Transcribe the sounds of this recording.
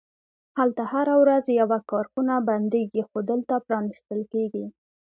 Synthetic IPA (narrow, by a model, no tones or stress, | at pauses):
halt̪ahaɾawɾazjawakɑɾkunaband̪eɡixod̪əlt̪apɾɑnist̪əlkeɡi